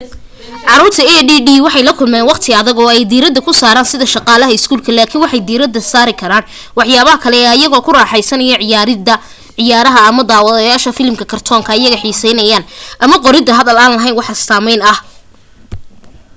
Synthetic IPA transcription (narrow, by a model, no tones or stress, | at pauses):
ʕɑɾuːrt̪ʰɐɛɖiːɖiːwɑħɑjlɐkʰʊlmɛːnwɑqt̪ʰɪɐðɐɣɔːɛjd̪iːɾɐd̪ɐkʰʊsaːɾaːnsɪðɐʃɑqɑːlɐɦɐɪskʰuːlkʰɐlaːkʰiːnwɑħɑjd̪iːɾɐd̪ɐsaːɾɪkʰɐɾaːn | wɑħjaːβɐɦɐkʰɐlɛːɐjɐɣɔːkʰʊraːħɑjsɐnɐjɐʕɐ | ʕɪjaːɾɐɦɐɐmɐd̪aːwɐðɐjaːʃɐfɪlmkʰɐkʰɐrt̪ʰɔːŋkʰɐɪjɐɣɐħiːsɛjnɐjaːnʔɐmɐqɔɾɪd̪ɐɦɐðɐlaːnlɐɦɐjnwɑħɐsaːmɛjnɐh